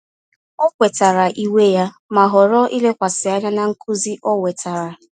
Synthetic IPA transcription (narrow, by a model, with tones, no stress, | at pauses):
ɔ˦kʷe˨ta˨ɾa˨ʔi˦we˦ja˦ | ma˨ɦɔ˨ɾɔ˦ʔi˦le˦kʷa˨sɪ˨a˦ɲa˦na˨ŋ̩˦ku˦zi˦ʔɔ˦we˨ta˨ɾa˨